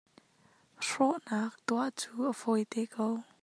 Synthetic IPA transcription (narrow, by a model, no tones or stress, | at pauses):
ʂɔʔnaːk̚t̪uaʔt͡suːʔəvɔjt̪ɛkow